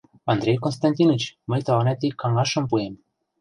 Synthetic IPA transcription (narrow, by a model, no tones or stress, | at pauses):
ɑnd̪ɾʲejkonst̪ɑnʲt̪ʲinət͡ɕməjt̪ɑlɑnæt̪ikːɑŋɑʃɤ̆mpuem